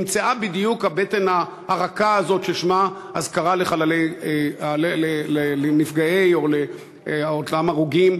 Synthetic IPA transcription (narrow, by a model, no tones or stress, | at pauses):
mt͡saabid̪ijukabet̪ena | haʁakaːzo̞tʃeʃmaʔazkaʁaleχalalejealelelelenifɡaejo̞le | otamaʁuɡim